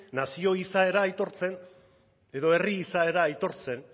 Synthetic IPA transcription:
nasio̞isae̞ɾaːjt̪o̞ɾt͡se̞n | e̞ðo̞e̞riːsae̞ɾaːjt̪o̞ɾt͡se̞n

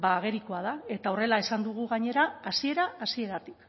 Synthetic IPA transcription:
baːɣ̞e̞ɾikoað̞ae̞t̪ao̞re̞lae̞sand̪uɣ̞uɣaɲe̞ɾaːsie̞ɾaasie̞ɾat̪ik

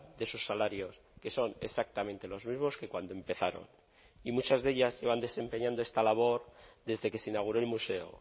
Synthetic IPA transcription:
d̪e̞susːalaɾjo̞s | ke̞so̞ne̞sak̚t̪amẽnt̪e̞lo̞zmizmo̞ske̞kwand̪oe̞mpe̞θaɾo̰n | imut͡ʃazðe̞ʎazʝeβand̪e̞se̞mpe̞ɲãnd̪oe̞st̪alaβ̞o̞ɾd̪e̞zðe̞ke̞seinaɣ̞uɾo̞elmuse̞o̰

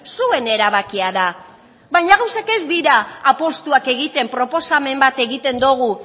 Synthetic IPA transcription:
sue̞ne̞ɾaβ̞akiaða | βajɲaɣawsake̞zd̪iɾaːpo̞st̪uake̞ɣ̞it̪e̞mpɾo̞po̞same̞mbat̪e̞ɣit̪e̞nd̪oɣ̞u

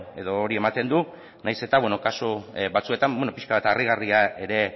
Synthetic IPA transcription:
e̞ðo̞ːɾie̞mat̪e̞nd̪u | najse̞t̪aβweno̞kasuβat͡sue̞t̪ambwenopiʃkaβat̪ariɣ̞ariae̞ɾe̞

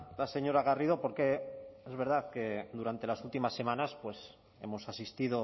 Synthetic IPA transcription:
lase̞ɲo̞ɾaɣ̞ariðo̞po̞ɾke̞ezβe̞ɾð̞aθke̞d̪uɾant̪e̞lasult̪imasːe̞manaspwe̞s | e̞̰mo̞sasist̪iðo̞

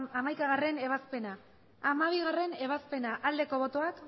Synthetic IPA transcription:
amajkaɣ̞are̞ne̞β̞aspe̞naː | maβ̞iɣare̞ne̞β̞aspe̞naʔald̪e̞ko̞β̞o̞t̪o̞ak

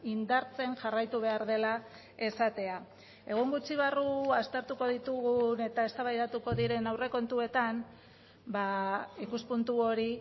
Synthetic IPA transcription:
ind̪aɾt͡se̞ŋʝarajt̪uβ̞e̞aɾðe̞la | e̞sat̪e̞a | e̞ɣ̞oŋɡut͡siβ̞aruast̪e̞ɾt̪uko̞ðit̪uɣune̞t̪ae̞st̪aβajðat̪uko̞ðiɾe̞nawre̞ko̞nt̪ue̞t̪am | baikuspunt̪uo̞ɾi

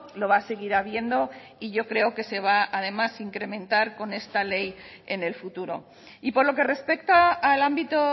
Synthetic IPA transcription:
lo̞β̞aːse̞ɣ̞iɾaβje̞nd̪o̞iʝo̞kɾe̞o̞ke̞se̞β̞aað̞e̞masiŋkɾe̞mẽ̞nt̪aɾko̞ne̞st̪ale̞j | ene̞lfut̪uɾo̞̰ | ipo̞ɾlo̞ke̞re̞spe̞kt̪aːlambit̪o

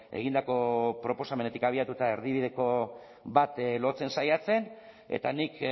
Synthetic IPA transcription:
e̞̰ɣ̞ind̪ako̞pɾo̞po̞samene̞t̪ikaβ̞iat̪ut̪ae̞ɾðiβ̞ið̞e̞ko̞ | bat̪lo̞t͡se̞nsajat͡se̞n | e̞̰t̪anik

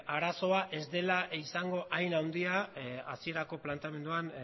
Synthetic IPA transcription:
aɾaso̞aʔe̞zd̪e̞laisaŋɡo̞ʔajnawnd̪iaa̰sie̞ɾako̞plant̪eame̞nd̪uan

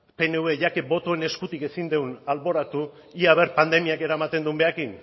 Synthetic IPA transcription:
pe̞neuβe̞ʝakebo̞t̪o̞ene̞skut̪ike̞sind̪ewnalβo̞ɾat̪u | iaβ̞e̞ɾpand̪e̞miake̞ɾaemat̪e̞nd̪umbe̞akin

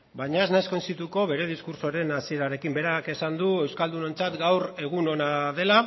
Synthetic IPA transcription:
bajɲaeznaesko̞nsit̪uko̞βe̞ɾe̞ð̞iskuɾso̞ɾe̞nasie̞ɾaɾe̞kimbe̞ɾake̞sand̪ue̞wskald̪uno̞nt͡sat̪ɡawɾe̞ɣ̞uno̞naðe̞la

